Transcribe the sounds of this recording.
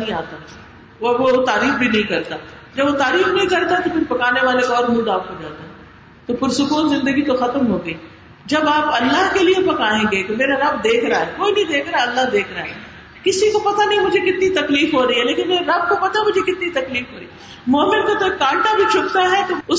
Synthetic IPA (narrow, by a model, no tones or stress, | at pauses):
ɦĩaːt̪a | oʋot̪aːɾiːfbʱinɐĩkɐɾt̪aː | d͡ʒɐbʋot̪aːɾiːfnɐɦĩkɐɾt̪aɦɛt̪opʰɪɾpɐkaːneʋaːlekɔːɾmũːd̪aːpɦod͡ʒa̰ːt̪aɦɛ | t̪opʊɾsʊkuːnzɪ̃nd̪əɡit̪oxɐt̪əmɦoːɡəiː | d͡ʒɐbaːpɐlːaɦkeliepɐkaːẽɡeeːkemeːɾaɾɐb̚d̪eːkʰɾaɦɛːkoːinɐ̃ĩd̪eːkʰɾaːɐlːaɦd̪eːkʰɾaaːɦɛː | kɪsikopɐt̪anĩmʊd͡ʒʱekɪt̪nit̪ɐkliːfɦoːɾɐɦiɦɛleːkɪnmeːɾeɾɐb̚kopɐt̪amʊd͡ʒʱekɪt̪nit̪ɐkliːfɦoːɾɐiː | moːmɪnk̪ot̪oekãːɳʈabʱit͡ʃʰʊpt̪aɦɛt̪oʊ